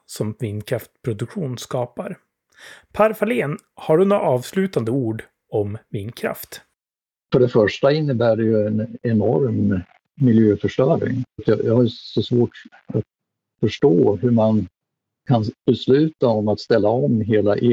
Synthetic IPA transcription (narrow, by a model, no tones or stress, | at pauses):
sɔmvɪnkʰɾaft̪pʰɾʊd̪ɵkɧuːnskɑːpaɾ | pʰæːɾfaleːn | haɖɵnʊaʔɑːvslʉ̟ːt̪and̪əuːɖ | ɔmvɪnkʰɾa̰ft̪ | fœɖɛfœʂʈaɪnːəbæːɖɛjɵɛnɛnɔɾmː | ɪljøːfœʂʈœːɾɪ̰ŋt̪jɑjɑhaɾsɔsvoːʈ | at̪ | fœʂʈoːhɵman | kʰanb̥ɛslʉ̟ːt̪aɔmat̪st̪ɛlːaɔmɦeːlaʔ